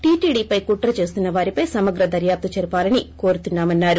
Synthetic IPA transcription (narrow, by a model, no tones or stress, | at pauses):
ʈiːʈiːɖiːpɐjkuːʈɐɾɐt͡ʃe̞ːst̪unːɐʋaːɾipɐjsɐmɐɡɾɐd̪ɐɾjaːp̚t̪ɐt͡ʃɛɾupaːlɐniko̞ːɾut̪unːaːmɐnːaːɾu